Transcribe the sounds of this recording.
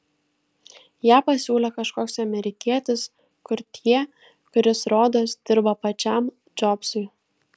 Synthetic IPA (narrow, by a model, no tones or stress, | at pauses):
jæːpɐsʲuːlʲɛkɐʃkoːksɐmʲɛɾʲɪkʲiɛt̪ʲɪs | kʊɾt̪ʲʰiɛ | kʊɾʲɪsɾoːd̪oːsd̪ʲɪɾbɐpɐt͡ʃʲɛˑm | d͡ʒɔpsʊɪ